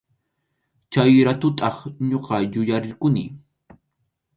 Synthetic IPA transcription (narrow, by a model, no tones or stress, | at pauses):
t͡ʃajɾat̪ʊt̪ɑχɲoqɑjʊjaɾɪɾkʊnɪ̰